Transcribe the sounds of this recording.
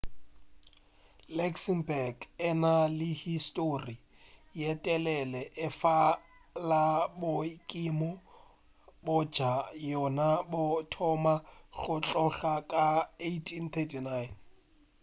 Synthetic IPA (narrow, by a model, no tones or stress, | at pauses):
lɛksimbɛrɡɪnalɪhistʼori | jɛtʼɛlɛlɛʔɪfa | labʊkʼimɔ | bɔ̥d͡ʒ̥ʱajɔnabʊtʰɔmaɣʊt͡ɬʼɔɬakʼaejtʰint̪ʰɛtʰinajn